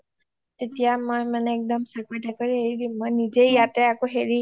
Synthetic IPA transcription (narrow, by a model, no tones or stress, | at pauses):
t̪etijamɔjmaneːk̚dɔmsakɔjtakɔɹiɦeidimɔjnizejateakoɦeɹi